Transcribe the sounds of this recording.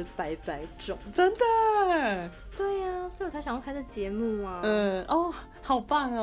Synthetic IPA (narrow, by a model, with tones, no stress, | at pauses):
pa˧˥ɪpa˧˥ɪʈ͡ʂʊ˨˩˦ŋʈ͡ʂə˦˥nd̪ə˨ | t̪we˥˩ɪa˩swɔ˧˥˨t̪ʰa˧˥jɑ˨ŋjkʰa˥ə˥˩t͡ɕjɛ˧˥mu˥˩a˩˥˩ʔɔ˥˩ | xɑ˨˩ʊpa˥˩n˩